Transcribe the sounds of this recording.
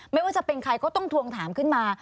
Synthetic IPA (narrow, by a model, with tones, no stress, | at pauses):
ma˥˩jwaː˥˩t͡ɕa˧˩pe˧nkʰɾa˧jkɔː˥˩t̪ɔ˥˩ŋt̪ʰu˧əŋt̪ʰaː˩˦mkʰɯ˥˩nmaː˧